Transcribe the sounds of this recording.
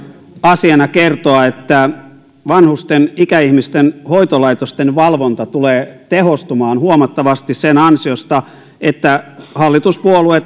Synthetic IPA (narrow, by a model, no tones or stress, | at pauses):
ɑsiɑnɑkert̪oɑet̪ːæ | ʋɑnhust̪enikæihmist̪enhoit̪olɑit̪ost̪enʋɑlʋont̪ɑt̪uleːt̪ehost̪umɑːnhuomɑt̪ːɑʋɑst̪issenɑnsiost̪ɑ | et̪ːæhɑlːit̪uspuoluet̪